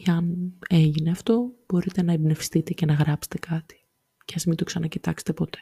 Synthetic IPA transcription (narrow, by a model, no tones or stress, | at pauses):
ɐne̞ʝine̞ɐft̪o̞b̥o̞ɾit̪e̞nɐebne̞fi̥st̪it̪e̞ce̞nɐɣɾɐpse̥t̪e̞kɐt̪i̥ | ceɐnsimint̪o̞ksɐnɐcit̪ɐkse̥t̪e̞po̞t̪e̞̥